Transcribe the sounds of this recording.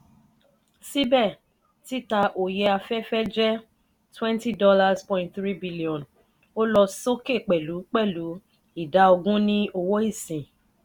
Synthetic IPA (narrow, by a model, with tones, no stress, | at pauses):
si˦bɛ˦˨ | ti˦ta˧ʔo˨je˧a˧fɛ˦fɛ˦d͡ʒɛ˦ | twɛ̃˦nti˦dɔ˦la˧spɔ̃˨˦ĩntθɾi˦bi˦li˨ɔ̃˨n | o˦lɔ˧so˦ke˦˨k͡pɛ˨lu˨˦k͡pɛ˦˨lu˨˦ | i˦˨da˨˧o˧ɡũ˦nĩ˦o˧wo˦i˦˨sĩ˨